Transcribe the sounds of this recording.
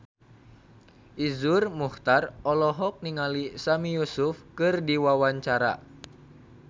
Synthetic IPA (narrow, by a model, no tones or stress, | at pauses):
ʔizurmuht̪arɔlɔɦɔk̚niŋalisamijusufkɨrdiwawaɲt͡ʃaɾa̰